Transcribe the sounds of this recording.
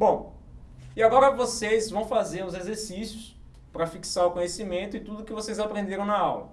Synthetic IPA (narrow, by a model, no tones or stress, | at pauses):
bõw̃ | iaɡɔɾɐvosejzvɐ̃w̃fazeɾʊ̃zezeɾsisjʊs | pɾɐfiksaɾʊkõɲesimẽnt̪ʊɪt̪ud̪ʊkɪvosejzapɾẽnd̪eɾɐ̃w̃nɐawlɐ